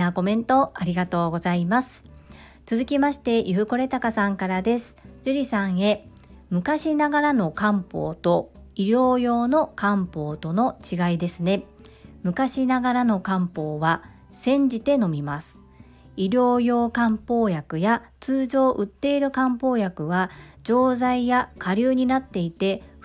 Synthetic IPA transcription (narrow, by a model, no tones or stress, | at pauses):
ako̞mẽ̞nt̪o̞aɾʲiɡat̪o̞ːɡo̞zaimasɨ̥ | t͡sɨzɨkʲimaɕi̥t̪e̞ʔiɸɯ̟ko̞ɾe̞t̪akasãŋkaɾad̪e̞sɨ̥d͡ʑɨɾʲisãɰ̃e̞ | mɯ̟kaɕinaɡaɾano̞kãmpo̞̰ːt̪o̞iɾʲo̞ːjo̞ːno̞kãmpo̞ːt̪o̞no̞t͡ɕiɡaid̪e̞sɨne̞ | mɯ̟kaɕinaɡaɾano̞kãmpo̞ːβa | sẽ̞ɲ̟d͡ʑit̪e̞no̞mʲimasɨ̥ | iɾʲo̞ːjo̞ːkãmpo̞ːjakɯ̟jat͡sɨːʑo̞ːʔɯ̟t̪ːe̞iɾɯ̟kãmpo̞ːjakɯ̟βad͡ʑo̞ːzaijakʰaɾʲɯːɲ̟inat̪ːe̞it̪e̞